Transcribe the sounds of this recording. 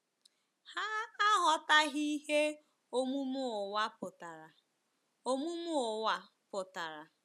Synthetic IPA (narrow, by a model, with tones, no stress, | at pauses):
ha˦a˦ɦɔ˨ta˦ɦi˦ɦe˦ | o˦mu˦m˦ʊ˨wa˦pʊ˨ta˨ɾa˨ | o˦mu˦mʊ˦ʊ˨wa˨ | pʊ˨ta˨ɾa˨